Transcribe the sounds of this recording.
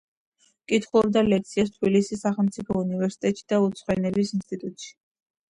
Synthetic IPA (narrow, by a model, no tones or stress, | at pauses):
kʼit̪ʰχulˠɔɾd̪alɛk̚t̪sʰiast̪ʰbilisisːaχɛlˠmt̪sʼipʰɔunivɛɾsi̥t̪ʼɛt̪ʼʃi̥d̪̥aut̪sʰʼχwɛnɛbisinst̪ʼit̪ʼut̪ʼʃi̥